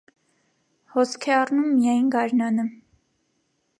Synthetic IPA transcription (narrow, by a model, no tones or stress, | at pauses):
hɔskʰɛɑrnumːijɑjnɡɑɾnɑnə